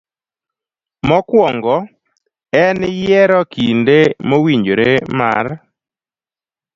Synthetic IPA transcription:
mɔkwɔŋɡɔ | ɛnɪjɛɾɔkʰindemowiɲd͡ʒoɾema̰r

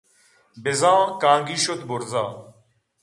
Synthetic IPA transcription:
bɪzãːkãːŋɡiːʃot̪bʊɾzaː

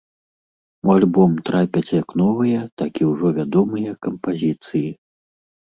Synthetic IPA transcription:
ualʲbɔmt̪ɾapʲɐt͡sʲjɐknɔvɨjɐt̪akʲiwʐɔvʲad̪ɔmɨjɐkɐmpazʲit̪sɨji

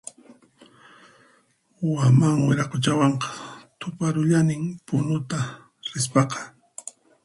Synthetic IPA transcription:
wamaŋwɪɾɑqot͡ʃawɑɴqɑ̥t̪ʊpaɾʊʎanɪmpʊnʊt̪a | ɾɪspɑqɑ̥

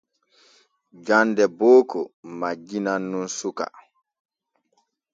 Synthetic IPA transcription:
d͡ʒandɛbɔːkɔmad͡ʒinanːunsuka̰

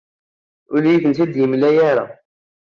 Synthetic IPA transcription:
ʊljiθənθæd̪jimlæjaɾa̰

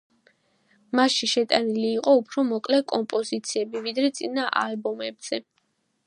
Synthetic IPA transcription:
masʃiʃɛt̪ʼaniliːqʼɔupʰɾɔmɔkʼlɛkʼɔmpʼɔzit̪sʰiɛbivid̪ɾɛt̪sʼinaʔalbɔmɛbz̥ɛ

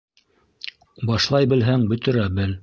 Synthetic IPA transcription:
bɑʃlˠɑjbɘ̆lɦæŋbɵ̆t̪ɘ̆ɾæbɘl

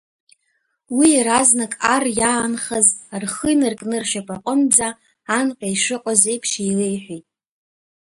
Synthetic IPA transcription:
wiɾaznakʼarjaːnχazarχəjnɨrkʼnɨrʃapʼaqʷʼʊnd͡zaː | nqʲʼajʂɨqʷʼazejpʰʂijlejħʷᶣijtʼ

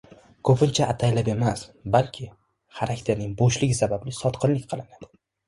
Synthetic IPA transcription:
kʰɵpʰɪnt͡ʃʰaʔat̪ʰajlape̞masbalkʲʰɪ | χaɾakʲt̪ʰe̞ɾnɪŋboʃlɪɡʲɪsabablɪsɒt̪qʰɨnlɪkʲqʰɨlˠɪnad̪̥ɪ

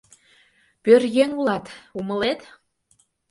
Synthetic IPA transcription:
pørjeŋulɑt̪umə̆let̪

